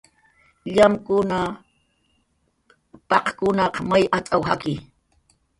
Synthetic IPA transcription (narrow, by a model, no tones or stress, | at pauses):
ʎamkʊna | pɑqkʊnɑqmajʔat͡sʼawha̰kɪ